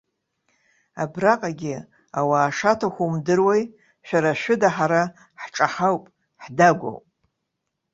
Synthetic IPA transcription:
abraqʼaɡʲɪ | awaːʂatʰaxʷumdɨrwej | ʃᶣaɾaʃᶣʊdaħaɾa | ħʈ͡ʂʼaħawpʼ | ħdaɡʷo̰wpʼ

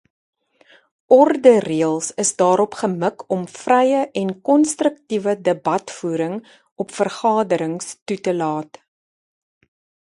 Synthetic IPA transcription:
ʔɔrdəriəlˠsəsdɑːɾɔpχəməkʰɔmfrɛjəʔɛnkɔnstrək̚tivədəbɐtfuːɾəŋ | ɔpfərχɑːdəɾəŋstutəlɑːt

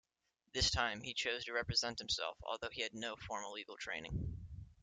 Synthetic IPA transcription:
ðɪstʰãɪ̃mit͡ʃʰoʊz̥tʰɨɹɛpɹɨzɛ̃nt̚hm̩sɛ̰lˠfɔ̰lˠðoʊiɨdⁿnoʊfɔɹmə˞liɡl̩ˠtʰɹ̥ḛ̃ɪ̃nɪ̃ŋ

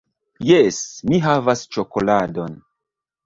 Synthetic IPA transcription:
jesmiɦavast͡ʃoko̞ladon

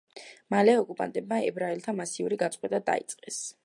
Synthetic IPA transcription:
malɛɔkʼupʼa̰nt̪ʼɛb̚maɛbɾaɛlt̪ʰamasiuɾiɡat̪sʼqʼwɛt̪ʼad̪a̰ḭt̪sʼqʼɛs

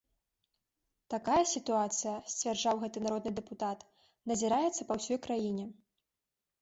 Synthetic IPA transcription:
t̪akajɐsʲit̪uat̪sɨjɐsʲt͡sʲvʲarʐawɣɛt̪ɨnaɾɔd̪nɨd̪ɛput̪at̪ | nɐzʲiɾajɛt̪sːɐpɐwsʲɔjkɾajinʲɛ

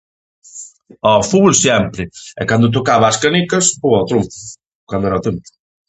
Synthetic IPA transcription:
ɔfuβolsjɛmpɾɪɛ̰kand̪ʊt̪̬okaβɐːskanikɐspoɔt̪ɾumpʊ | kwand̪ʊɛɾɐt̪ɾumpʊ̥

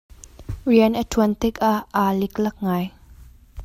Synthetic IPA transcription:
riənʔətʰuənt̪ɪkaʔːalɪklɐk̚ŋaːj

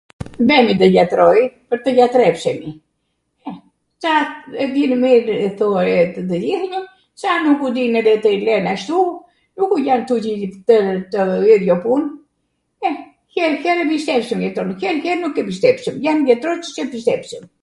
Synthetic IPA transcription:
bɛmid̪əjat̪ɾɔjpəɾt̪əjat̪ɾɛpsɛmi | ɛ | t͡ʃaɛd̪inəmiɾɛθuaɾɛt̪əd̪əd͡ʒiθɲə | sanukud̪inɛdɛt̪əlɛnaʃt̪u | nukujant̪ucit̪ət̪əiɾjɔpun | ɛ | çɛlçɛɾɛbiʃt̪ɛpʃəmjɛt̪ɾɔnçɛlçɛɾnukɛbiʃt̪ɛpsəmjandɛt̪ɾɔt͡ʃə̥t͡ʃɛbist̪ɛpsəm

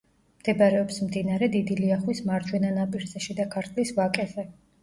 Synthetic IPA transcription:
md̪̥ɛbaɾɛɔpsmd̪inaɾɛd̪id̪iliaχwismaɾd͡ʒ̪ʰwɛnanapʼiɾzɛʃid̪akʰaɾt̪ʼʰlisvakʼɛzɛ

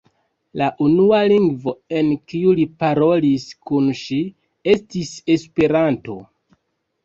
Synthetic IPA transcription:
laʔunualiŋɡvo̞e̞nkiulipaɾo̞liskunʃi | e̞stise̞spe̞ɾanto̞̰

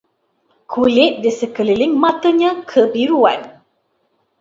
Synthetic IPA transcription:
kʰulɪt̪̚disəkəlilɪŋmat̪əɲãkʰəbiɾua̰n

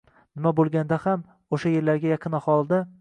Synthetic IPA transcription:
nɪmabolˠɡʲand̪aham | oʃaje̞ɾlaɾɡʲajɑqʰɨnahɒlˠd̪a

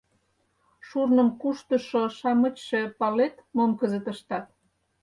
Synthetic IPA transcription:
ʃurnə̆mkuʃt̪ə̆ʃoʃɑmə̆t͡ɕʃĕpɑlet̪momkəzə̆t̪ə̆ʃt̪ɑt̪̚

